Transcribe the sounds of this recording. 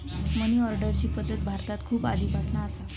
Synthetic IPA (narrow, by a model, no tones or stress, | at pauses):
məniɔɾɖəɾt͡ɕiːpəd̪ːət̪̚bʱaɾt̪at̪kʰuːpa̰d̪iːbʱasnaːsa